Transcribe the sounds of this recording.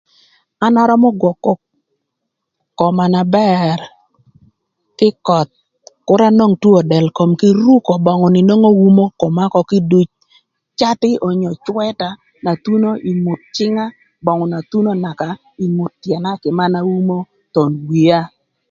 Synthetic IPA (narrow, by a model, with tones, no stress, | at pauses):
a˦nɔ˦ɾɔ˦mɔ˦ɡwɔ˨kːɔ˦ | kɔ˨ma˨na˨bɛ˦ɾ | kɪ˦kɔ˨t̪̚ | kʊ˦ɾa˦no˦ŋtu˦o˨dɛ˨lko˨mkɪ˦ɾu˦kɔ˨bɔ˨ŋʊ˨nɪ˨no˦ŋo˦wu˦mo˦kɔ˨ma˦kɔ˨kɪ˦du˨t͡ʃ | t͡ʃa˦tɪ˦ɔ˨ɲɔ˨t͡ʃwɛ˦ta˨ | na˨t̪u˦no˦ʔi˨mʊ˨t̚t͡ʃɪ˦ŋa˦ | bɔ˨ŋʊ˨na˨t̪u˦no˦na˨ka˨ | i˨mʊ˨t̚tjɛ˨na˦kɪ˨ma˦na˦wu˦mo˦ | t̪o˨nwi˨a˦